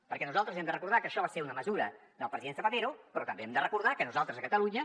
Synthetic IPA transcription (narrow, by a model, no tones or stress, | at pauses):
pəɾkɛnuzalˠt̪əzɛmd̪ərəkuɾðakəʃɔβaseɾunəməzuɾə | d̪əlˠpɾəziðensəpət̪eɾupɾɔt̪əmbeɛmd̪ərəkuɾð̞akənuzalˠt̪ɾəzəkət̪əluɲə